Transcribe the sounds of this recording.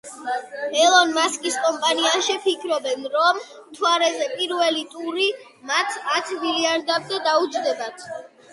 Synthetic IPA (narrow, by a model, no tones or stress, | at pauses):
ɛlˠɔnmaskʼiskʼɔmpʼaniaʃɛpʰikʰɾɔbɛnɾɔm | t̪ʰwaɾɛzɛpʼiɾvɛlit̪ʼuɾi | mat̪ʰat̪ʰmiliaɾd̪abzɛd̪aud͡ʒd̪ɛbat̪ʰ